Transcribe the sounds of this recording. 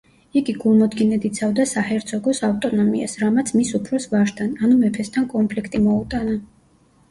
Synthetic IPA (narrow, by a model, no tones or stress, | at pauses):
iɡiɡulˠmɔd̪ɡinɛd̪it̪sʰavd̪asahɛɾt̪sʰɔɡɔsaft̪ʼɔnɔmḭa̰sɾamat̪sʰmisupʰɾɔsvaʃt̪ʰananumɛpʰɛst̪ʰankʼɔmpʰlikʰt̪ʼimɔut̪ʼana